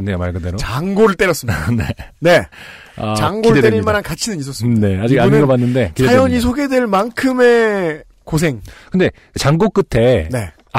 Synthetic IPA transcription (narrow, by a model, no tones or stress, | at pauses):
nːejomaɭɡɯdeɾoaŋɡoɾɯɭt͈e̞ɾjʌs͈ɯminene̞ | at͡ɕaŋɡoideteeɾiiɭmanankat͡ɕʰinɯnɲis̬͈ʌs͈ne̞ad͡ʑiɡaniɡʌbanːɯnde̞kidʰajjʌɲis̬ʰoɡe̞dwe̞ɭmankʰɯme̞ | kos̬ʰe̞ŋkɯnde̞ | t͡ɕaŋɡok͈ɯtʰe̞ne̞